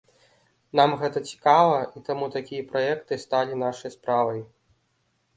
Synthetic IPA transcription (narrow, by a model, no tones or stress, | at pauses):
namɣɛt̪ɐt͡sʲi̥kavɐʔit̪amut̪akʲijɐpɾajɛkt̪ɨst̪alʲinaʂɐjɐspɾavɐj